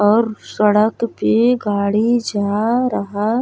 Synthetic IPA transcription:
ɔːɾsəɽəkpeɡaːɽid͡ʒaːɾɐɦa

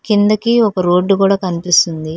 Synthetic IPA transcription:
kind̪ɐkiɔkɐɾo̞ːɖːukuːɽaːkɐnipist̪und̪i

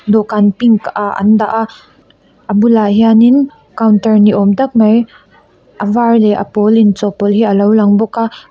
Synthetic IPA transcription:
d̪ɔkanpiŋkaʔɐ̰nd̪aʔaʔ | ʔəbulaɦianin | kawntɐrniʔɔmt̪ɐk̚mɐj | ʔɐvarlɛʔɐ̰pɔlint͡sɔpɔlɦiʔɐlowlɐŋbɔka

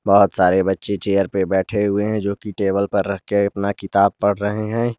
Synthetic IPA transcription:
bəɦʊt̪saːɾebɐtːʃet͡ʃeːjəɾpebɛːʈʰeɦʊeɦɛ̃d͡ʒoːkiʈeːbəlpɐɾːɐɦkeɐpnakɪt̪aːb̚pɐɽ̤ɾəɦeɦɛ̃ː

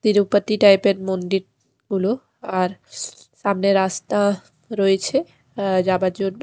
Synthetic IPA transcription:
t̪iɾupət̪ːiʈajpeɾmond̪iɾ | ɡulo | aɾ | ʃamneɾast̪a | ɾoet͡ɕʰe | d͡ʑabad͡ʑoɖb

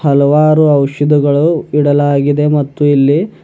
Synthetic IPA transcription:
hɐlɐʋaːɾuɐwʃɐd̪iɡɐɭuiɽɐlaːɡid̪e̞mɐt̪ːuilːi

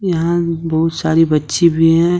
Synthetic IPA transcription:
jɐɦãbɐɦʊt̪saːɾibɐtːʃebʱiɦɛ̃

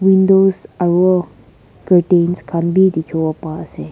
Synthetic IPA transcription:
wĩndosawə | kəʈẽnskʰãnbʱid̪ikʰoəpase

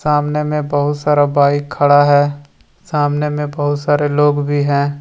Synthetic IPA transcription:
saːmnemẽbɐɦʊt̪saːɾabaːikʰɐɽaɦɛː | saːmnemẽbɐɦʊt̪saːɾeloːɡbʱiɦɛ̃ː

